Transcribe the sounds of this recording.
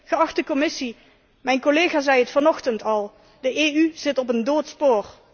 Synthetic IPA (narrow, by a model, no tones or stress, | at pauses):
χəɑχtəkɔmɪsi | mɛjnkoleːχaːzɛjətfɑnɔχtəntɑlˠ | dəʔeːyz̥ɪtɔp̬əndoːtspoːr